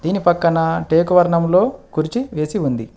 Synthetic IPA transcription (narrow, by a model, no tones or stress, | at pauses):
d̪̥iːnipɐkːɐnɐʈe̞ːkuʋɐɾɳɐmlo̞ːkuɾit͡ʃiʋe̞ːsiund̪i